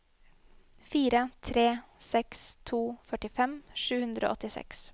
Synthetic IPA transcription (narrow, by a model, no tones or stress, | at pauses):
fiːɾət̪ʰɾeːsɛkst̪ʰuːfœʈɪfɛmʂʉːhʉnd̪ɾʔo̰ːʔɔt̪ɪsɛ̰ks